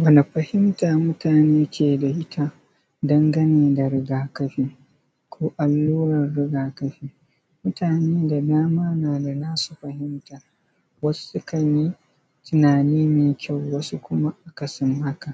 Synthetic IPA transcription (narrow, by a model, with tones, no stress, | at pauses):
wɐ˨na˨ɸɐ˨hɪ˦mtaː˨mʊ˦taː˨neː˦kʲʰeː˨da˨ʔɪ˦tʰa˦ | dɐ˦ŋɡɐ˦neː˨da˨ɾɪ˦ɡaː˨kɐ˦ɸiː˦ | kʷoː˦ʔa˨lːuː˦ɾɐ˨rɽɪ˦ɡaː˨kɐ˦ɸiː˦ | mʊ˦taː˨neː˦da˨daː˦maː˦naː˨da˨naː˦su̥˨ɸɐ˨hɪ˦mta˨ | wɐ˦su̥˦sʊ˦kɐ˨ɲiː˦ | tɪ˨naː˨niː˦meː˨kʲa˦˨wwɐ˦su˦kʷʊ˦ma˦ʔa˨kɐ˨sɪ˦mha˦ka˨ʔ